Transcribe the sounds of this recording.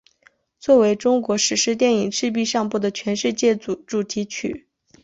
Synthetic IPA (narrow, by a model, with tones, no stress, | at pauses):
t͡swɔ˥˩we˧˥ɪʈ͡ʂʊ˥ŋkwɔ˧˥ʂɻ̩˨˧˥ʂɻ̩˥t̪̬jɛ˥˩ni˨˩ŋʂɻ̩˥˧p̬i˥˧ʂɑ˥˧ŋpu˥˩d̪ə˩t͡ɕʰɥɛ˧˥nʂɻ̩˥˧t͡ɕjɛ˥˩u˨˩ʈ͡ʂu˨˩t̪ʰi˧˥t͡ɕʰy̰˨˩˦